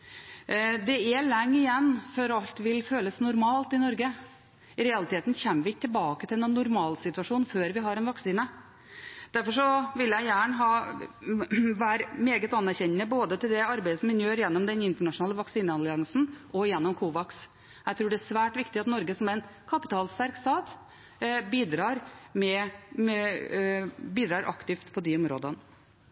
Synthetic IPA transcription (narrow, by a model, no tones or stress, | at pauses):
d̪ɛɛlɛŋːɪjɛnːfɔɾɑlt̪ʋɪlføːləsnʊɾmɑːlt̪ɪnɔɾɡə | ɪɾɛɑlɪt̪eːt̪n̩çɛmːəʋɪɪt̪ʰːɛlbɑːkət̪ʰɪlɛnnːʊɾmɑːlsɪt̪ʉɑʂuːnføːɾʋɪɦɑɾɛnʋɑksiːnə | d̪̥æɾfɔʂɔʋɪljæɪjæːɳəɦɑː | ʋæːɾmeːɡət̪ɑnːæɾçɛɲːəboːd̪ət̪ʰɪld̪ɛɑɾbæɪd̪əsɔmɪnjøːɾjɛnːɔmd̪ɛnɪnt̪əɳɑʂʊnɑːləʋɑksiːnəɑlɪɑŋsn̩ʔɔjɛnːɔmkʰuːʋɑks | jæɪt̪ʰɾuːɖɛæʂʋæːʈʋɪkt̪ɪɑt̪nɔɾɡəsɔmæɪnkʰɑpɪt̪ʰɑːlst̪æɾkst̪ɑːt̪ | biːd̪ɾɑːɾmɛ | biːd̪ɾɑːɾʔɑ̰kt̪ɪft̪pʰɔd̪ɪʊmɾo̰ːd̪ən